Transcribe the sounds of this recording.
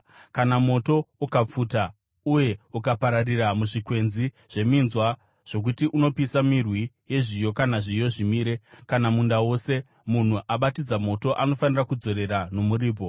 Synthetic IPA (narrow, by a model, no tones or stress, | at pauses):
kanamo̞to̞ukap͡fuːta | uje̞ukapaɾariramuʐikwe̞nzi | ʐ̥e̞minzwa | ʐ̥o̞k̬utiʔuno̞pisamirwi | je̞ʐijo̞kanaʐijo̞ʐimiːɾe̞kanamundawo̞se̞ | mun̤uʔaɓatid͡zamo̞to̞ʔano̞fanirakud͡zo̞ɾe̞ɾano̞muɾiːbʱo̞